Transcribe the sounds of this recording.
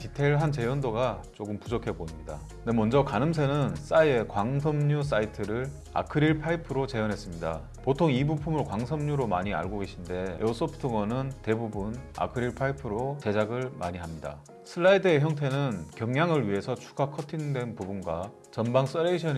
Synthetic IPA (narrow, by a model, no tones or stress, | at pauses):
titʰe̞ɭɦant͡ɕe̞jʌndoɡat͡ɕ͈oɡɯmpud͡ʑokʰe̞boimɲida | ne̞mʌnd͡ʑʌkanɯms̬ʰe̞nɯns͈ae̞kwaŋsʰʌmɲus̬͈aitʰɯɾɯɭ | a̰kʰɯɾiɭpʰaipʰɯɾot͡ɕe̞jʌnɦe̞s͈ɯmɲida̰ | potʰoŋibupʰumɯɾokwaŋsʰʌmɲuɾomaɲia̰ɭɡoɡe̞ɕʰinde̞os͈opʰɯ̥tʰɯŋʌnɯnte̞bubuna̰kʰɯɾiɭpʰaipʰɯɾot͡ɕe̞d͡ʑaɡɯɭma̰ɲiɦamɲida̰ | sʰɯɾaidɯe̞çjʌŋtʰe̞nɯnkjʌŋɲaŋɯɭɥiɦe̞sʰʌt͡ɕʰu̥ɡakʰʌtʰindwe̞npubunɡwa | t͡ɕʌnbaŋs͈ʌɾeiɕʰʌɲ